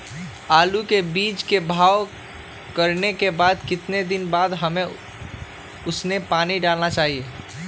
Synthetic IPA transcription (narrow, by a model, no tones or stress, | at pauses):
aːlukebiːt͡ʃkebʱaːʋ | kəɾnekebaːd̪kɪt̪ned̪ɪnbaːd̪ɦəmẽ | ʊsnepaːniɖaːlnat͡ʃaːɦieː